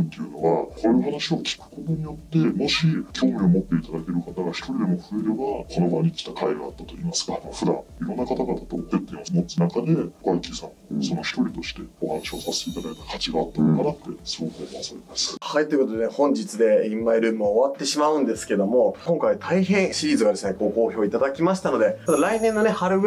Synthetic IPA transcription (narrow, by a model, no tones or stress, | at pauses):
nt̪eɯ̟no̞βakʰo̞ɾeoɦanaɕio̞kʲʰi̥kɯ̟̥ko̞t̪o̞ɲ̟ijo̞t̪ːe̞mo̞ɕikʲʰo̞ːmʲiomot̪ːe̞it̪ad̪ake̞ɾɯ̟kat̪aɡaçi̥t̪o̞ɾʲid̪e̞mo̞ɸɯ̟eɾebakʰo̞no̞baɲ̟ikʲi̥t̪akʰaiɡaːt̪ːat̪o̞iːmasɨ̥kaɸɯd̪ã̰iɾõ̞nːakat̪aɡat̪at̪o̞̰pet̪ːẽomot͡sɨnakad̪e̞ɡaikʲisãŋso̞no̞çi̥t̪o̞ɾʲit̪o̞ɕi̥t̪e̞ohanɕiosase̥t̪eit̪ad̪ait̪ḁkʰat͡ɕiɡaːt̪ːand̪kanat̪ːe̞soːkoːmβasaɾemasɨ̥hait̪o̞jɯkot̪od̪enhõ̞ɲ̟d͡ʑit͡sɨd̪e̞imːaiɾɯ̟ːmɯ̟aoβat̪ːe̞ɕimaɯ̟̃nd̪e̞sɨ̥ke̞d̪o̞mo̞kõ̞ŋkait̪ʰaiɦẽ̞ɰ̃ɕiɾʲiːzɨɡad̪e̞sɨne̞ko̞ːko̞ːço̞ːit̪ad̪akʲimaɕi̥t̪ano̞d̪e̞ad̪aɾainẽ̞nːo̞ne̞haɾɯ̟ɯ